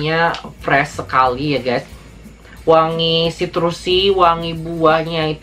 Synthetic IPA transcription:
ɲafɾɛsːəkalijaɡajs | waŋisit̪əɾusiwaŋibuahɲait̪

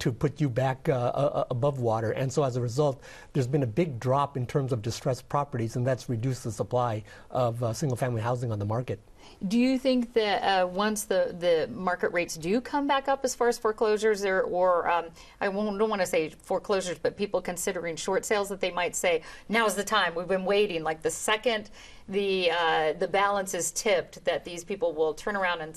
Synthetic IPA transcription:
tʰɨpʰʊt͡ʃɨbækəbʌvwɔɾə˞ʔɨ̃nsoʊəzəɹɨzʌlˠt̪̚ | ðə˞zbɨ̃nɨbɪɡ̚dɹɑpɨ̃ntʰɜ̃˞mzʌvdɨstɹ̥ɛspʰɹ̥ɑpə˞ɾizɨ̃nðætsɹɨdʉsðəsəpʰl̥aɪ | ʔʌvsɪ̃ŋɡl̩ˠfæ̃mliɦaʊzɪ̃ŋə̃nðəmɑɹkɨt̚ | d̥ɨjɨθɪ̃ŋk̚ðɨtʌwʌ̃nsðɨðɨmɑɹkɨʔɹeɪtsd̥ɨkʰʌ̃mbækʌpɨz̥fɑɹɨz̥fə˞kʰl̥oʊʒə˞zə˞ʔə˞ʌ | aɪwõʊ̃ndõʊ̃nwɑ̃nɨseɪfə˞kʰl̥oʊʒə˞zbʌt̚pipl̩ˠkʰɨ̃nsɪɾə˞ɪ̃ŋʃɔɹtseɪlˠzðət̪̚ðeɪmaɪtseɪnaʊəzðɨtʰãɪ̃mwivbɨ̃nweɪɾɪ̃ŋlaɪk̚ðɨsɛkɨ̃n | ðɨʌðɨbælˠə̃nsɨz̥tʰɪp̚tðɨt̪̚ðiz̥pipl̩ˠwɪlˠtʰɜ̃˞nə˞ãʊ̃ndɨ̃n

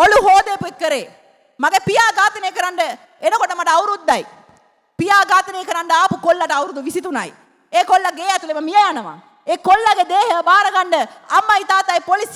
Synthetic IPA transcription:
ɔluɦoːd̪eːpuekːɐɾeː | mɐɡɐpijaːɡaːt̪ːɐnekːɐɾaɳɖɐ | ɛnɐkɔʈːɐmaːʈːɐɐwɾud̪ːaːj | pijaːɡaːt̪ːɐnekːɐɾaɳɖɐaːpukɔlːɐʈːɐwɾud̪uʋisit̪ːuna̰ːj | ekɔlːɐɡeːjat̪ulɐmɐmijɐjaːnɐʋã̰ː | eːkɔlːaɡed̪eːɦɐbaːɾɐɡaɳɖɐɐmːɐjt̪aːt̪aːjpolis

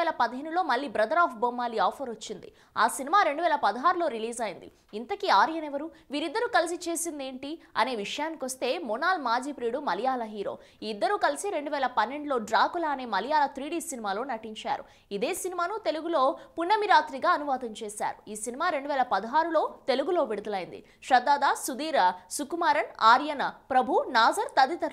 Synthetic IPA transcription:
eːlɐpɐd̪ɐɦinːulo̞ːmɐɭːiːbɾɐd̪ɐɾaːpʰbomːaːliaːpʰɐɾʋot͡ʃːind̪ḭ | a̰ːsinimaːɾe̞ɳɖuʋɛːlɐpɐd̪ɐɦaːɾulo̞ːɾiliːzɐjind̪ḭ | int̪ɐkiaːɾijɐnɛʋɐɾuʋiːɾid̪ːɐɾukɐlis̬it͡ʃe̞ːsind̪e̞ːɳʈiɐ̰ne̞ːʋiʂɐjaːnikʋɐst̪e̞ːmunaːlmaːd͡ʒiːpɾiːɽumɐlijaːlɐɦiːɾo̞̰ː | d̪ːɐɾukɐlisiɾe̞ɳɖuʋɛːlɐpɐnːe̞ɳɖulo̞ːɖɾaːkulaːne̞ːmɐlijaːlɐt̪ɾiːɽiːsinimaːlo̞ːnɐʈiɲt͡ʃa̰ːɾṵ | id̪e̞ːsinimaːnut̪e̞luɡulo̞ːpunːɐmiɾaːt̪ɾiɡaːɐnuʋaːd̪ɐɲt͡ʃeːsa̰ːɾuiːsinimaːɾe̞ɳɖuʋɛːlɐpɐd̪ɐɦaːɾulo̞ːt̪e̞luɡulo̞ːʋiɽud̪ɐlɐjind̪ḭ | ʂɾɐd̪aːd̪aːsud̪iːɾɐsukumaːɾɐnaːɾjɐnɐpɾɐbʱunaːzɐɾt̪ɐd̪it̪ɐɾ

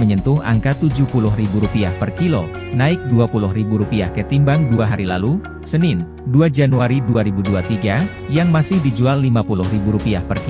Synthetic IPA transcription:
məɲənt̪ʊɦa̰ŋkat̪ud͡ʒuhpulʊhɦribuɾupiahpərkilo̰ | naɪk̚duapulʊɦribuɾupiahkət̪imbaŋduaɦaɾilalu | sənɪn | duad͡ʒanuaɾiduaɾibuduat̪iɡa | jaŋmasɪhdid͡ʒualːimapulʊhribuɾupiahpərk

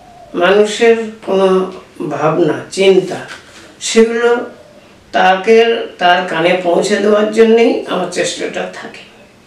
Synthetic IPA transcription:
manuʃeɾkono | bʱabnat͡ɕint̪a | ʃeɡulo | t̪akeɾt̪aɾkanepõw̃t͡ɕʰed̪eoaɾd͡ʑonːeja̰maɾt͡ɕeʃʈaʈat̪ʰake̥

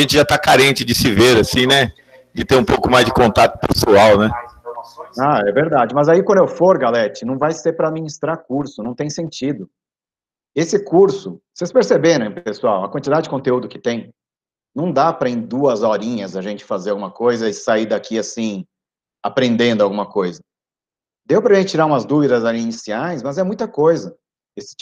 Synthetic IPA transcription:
ɐʒẽnt͡ʃɪʒat̪akaɾẽnt͡ʃɪd͡ʒɪsɪveɾasĩnɛ | d͡ʒɪt̪ẽũpowkʊmajzd͡ʒɪkõnt̪at̪ʊ̥pḛsuawnɛ | aɛveɾd̪ad͡ʒɪmɐzaikwɐ̃d̪ʊewfoɾɡalɛt͡ʃɪnɐ̃w̃vajseɾpɾɐad̪minist̪ɾaɾk̚uɾsʊnɐ̃w̃t̪ẽj̃sẽnt͡ʃid̪ʊ | esɪkuɾsʊsespeɾsebeɾɐ̃ẽpesuawɐkwɐ̃nt͡ʃid̪ad͡ʒɪd͡ʒɪkõt̪eud̪ʊkɪ̥t̪ẽj̃ | nɐ̃w̃d̪apɾɐẽd̪uɐzɔɾĩɲɐzɐʒẽnt͡ʃɪ̥fazeɾawɡũmɐkojzɐɪsaid̪akʰiasĩ | apɾẽnd̪ẽnd̪ʊawɡũmɐkojzɐ | d̪ewpɾɐʒẽt͡ʃɪt͡ʃiɾaɾũmɐzd̪uvid̪ɐzaliːnisiajsmɐzɛmũj̃t̪ɐkojzɐ | esɪ̥

